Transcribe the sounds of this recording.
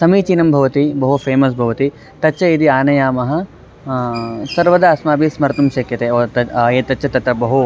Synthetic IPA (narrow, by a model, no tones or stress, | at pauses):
sɐmiːt͡ʃiːnɐmbʱɐʋɐt̪ibɐɦupʰeːmɐs̬bʱɐʋɐt̪i | t̪ɐtːʃʰɐid̪iaːnɐjaːmɐɦɐ̆ | sɐɾʋɐd̪ɐɐsmaːbismɐɾt̪ɐmʃɐkjɐt̪eːoːt̪ɐeːt̪ɐt͡ʃʰɐt̪ɐt̪ɾɐbɐɦu